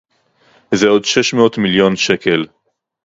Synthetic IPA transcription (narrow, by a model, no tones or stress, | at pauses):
zeo̞dʃeʃmeot̪miljonʃekel